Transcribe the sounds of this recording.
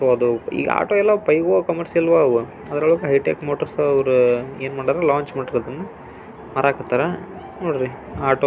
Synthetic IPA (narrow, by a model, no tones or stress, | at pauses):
ɾoɐd̪uḭːɡɐ̰a̰ːʈoːɛlːɐpɐjɡokɐmɐɾsilʋaʋu | ɐd̪ɐɾɐɭukɦɐjʈeːkmoːʈɐɾsɐʋɐɾueːnmaːɽd̪aɾelaːɲt͡ʃmaːɽiɾɐd̪ɐnːɐ | mɐɾaːkɐt̪ːaːɾɐ | noːɽɾi | aːʈoː